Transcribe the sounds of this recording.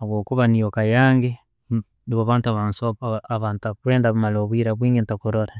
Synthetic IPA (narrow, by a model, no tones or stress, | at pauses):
akwoːkuβanijokajaːŋɡe | niβoβaːntuaβaːnsoaβaːntakuɾeːndaβmaloβwiɾaβwiːŋɡentakuɾoɾa